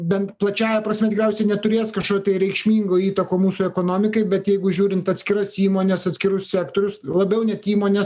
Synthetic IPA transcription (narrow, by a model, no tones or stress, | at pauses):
bʲɛnt̪plˠɐt͡ʃʲæːjɛpɾɐsʲmʲɛt̪ʲɪɡɾʲɛʊsʲɛɪnʲɛt̪ʊɾʲeːskɐʃkoːt̪ʲɐɪɾʲɛɪkʃʲmʲiːŋɡoːiːt̪ɐkoːmuːsʊɛkoːnoːmʲɪkɐɪbʲɛt̪jɛɪɡʊʒʲuːɾʲɪnt̪ɐt̪ʲsʲkʲɪɾɐsiːmoːnʲɛsɐt̪ʲsʲkʲɪɾʊssʲæːkt̪oːɾʲʊslˠɐbʲɛʊnʲɛt̪iːmoːnʲɛs